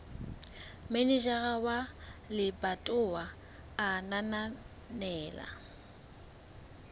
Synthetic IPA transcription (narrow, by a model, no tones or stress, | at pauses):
menɛd͡ʒaɣawalɪbatʼʊwaː | nana | nɛːla̰